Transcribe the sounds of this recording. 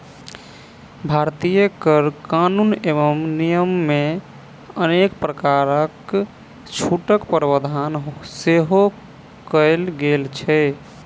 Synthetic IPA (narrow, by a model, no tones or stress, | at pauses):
bʱaɾt̪ijəkəɾkanuneʋəmnijəmːe | ənekpɾəkaɾək | t͡ʃʰuʈəkpəɾbəd̪ʱanɦseɦo | kəɪlɡelt͡ʃʰɛ